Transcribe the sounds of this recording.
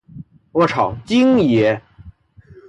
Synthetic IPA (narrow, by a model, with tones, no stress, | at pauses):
wɔ˧˥ʈ͡ʂʰɑ˨˩ʊt͡ɕi˥ŋjɛ˧˥